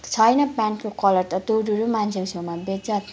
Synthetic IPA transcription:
t͡sʰʌjnʌpanʈkokʌlʌrt̪ʌt̪owɾuɾumant͡sʰesewmabed͡zat̪

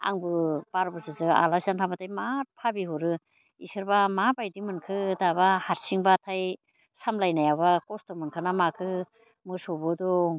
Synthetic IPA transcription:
a̰ŋbɯpaɾbɯsɯzɯa̰lasantʰabatʰajmat̚pʰabiɦuɾɯ | isɯɾbamabajdimɯnkʰɯdaβahaɾsiŋbatʰaj | samlajnajabakɔstɔmɯnkʰɯnamakʰɯ | mɯsɔbɯdɔ

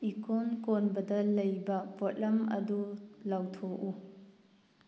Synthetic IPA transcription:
ikonkonbɐdɐlɐjbɐpɔt̚lɐmɐ̰dulawtʰoʔu

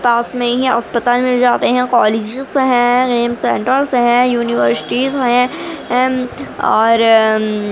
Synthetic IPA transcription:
paːsmẽɦiɐ̰spət̪aːlmɪld͡ʒaːt̪eɦɛ̃kɔːleːd͡ʒsɦɛ̃ɡeːmsɛ̃ɳʈəɾsɦɛ̃juːniʋəɾsɪ̥ʈizɦɛ̃ | ɔːɾ

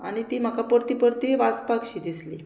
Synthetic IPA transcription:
aɽ̃it̪iːm̤əkʰapəɾt̪ipəɾt̪iʋaspakɕiːd̪isli

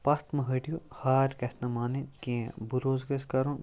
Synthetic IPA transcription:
pɐst̪mɐɦɐʈijohaːɾkɐsnɐmaːnekeẽbuɾoːzɡɐskɐɾõ

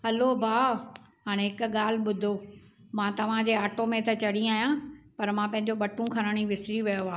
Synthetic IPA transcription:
ɦɐlobʱaː | ɦaːɽ̃ẽɦɪkɠaːl̤ɓʊd̪ʱomãːt̪ɐʋ̤ãd͡ʑeːaːʈomẽt̪ɐt͡ɕɐɽĩaːjãːpɐɾmãːpɐ̃ɦɪ̃ɲ̆d͡ʑoɓɐʈũkʰɐɾ̃əɽ̃iʋɪsɾiʋɐjoaː

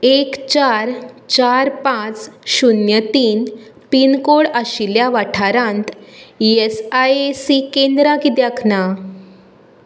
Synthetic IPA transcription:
ekt͡ɕaɾt͡ɕaɾpãt͡sɕunjət̪iːn | pinkoɭaɕiljaʋaʈʰaɾãnt̪esajesikẽnd̪ɾakid̪jakʰna

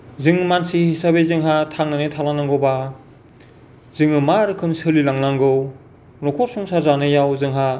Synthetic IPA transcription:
zɯŋmansihisabezɯŋɦatʰaŋnanetʰalanaŋɡɯwba | zɯŋɯmaɾɯkʰɯmsɯlilaŋlaŋɡɯw | nɔkʰɔɾsuŋsazanɯjawzɯŋɦa

